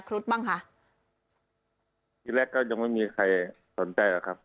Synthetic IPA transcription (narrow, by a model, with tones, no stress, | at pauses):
kʰɾu˦˥t̪̚baː˥˩ŋkʰa˦˥ʔ | kiː˧˩lɛː˧˩kːɔː˥˩ɲa˧ŋma˥˩jmiː˧kʰa˧˩j | so˩˦nt͡ɕa˧jla˨˧˩kʰa˦˥p̚